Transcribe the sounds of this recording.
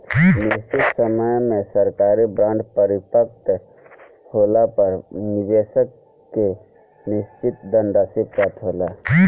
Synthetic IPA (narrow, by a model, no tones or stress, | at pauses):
nɪʃɪt̪səməjmẽsəɾkaːɾibɾãːɳɖpəɾɪpək̚t̪ | hoːlapəɾnɪd̪eːsəkː | e | nɪst͡ʃɪt̪d̪ə̃nd̪asipɾat̪ʰɦoːla